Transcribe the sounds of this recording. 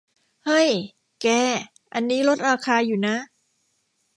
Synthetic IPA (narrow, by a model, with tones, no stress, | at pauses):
hɤ˧˥˩j | kɛː˧˩ | ʔa˧nːiː˦˥lo˦˥t̪̚ɾaː˧kʰaː˧juː˨˩na˦˥